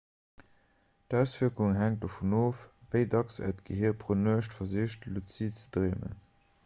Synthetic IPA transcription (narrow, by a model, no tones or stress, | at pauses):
tæʊsviːɐkuŋɦæŋt̚dofunoːfvəɪdɑksɛ̰tɡ̥əhiːɐpʁonøəʃtfɐziʃtlut͡sitt͡sədʁeːmə̰